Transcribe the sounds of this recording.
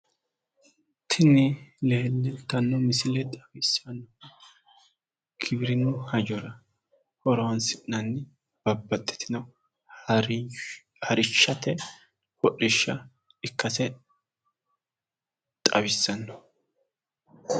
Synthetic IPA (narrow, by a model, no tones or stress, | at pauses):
t̪ʰɪnːɪleːlːɛnt̪ɐnːɔmɪsɪlɛt̪ʼɐbɪsɐnːɔɐ | kʰɪbɪɾɪnʊhɐd͡ʒɔɾɐ | hɔɾɔwnsɪnːɐnːɪ | b̥ɐbːɐt̪ʼːɛ̥t̪ʰɪnɐ | hɐɾɪt͡ʃːɐt̪ɛ | hɔʔɪʃːɐ | ɪkːɐsɛ | t̪ʼɐ̰βɪsːɐnːɔ